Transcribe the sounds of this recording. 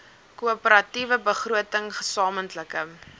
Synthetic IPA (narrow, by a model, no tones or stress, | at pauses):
kuəpəɾɐtivəbəχruətəŋχəsɑːməntləkə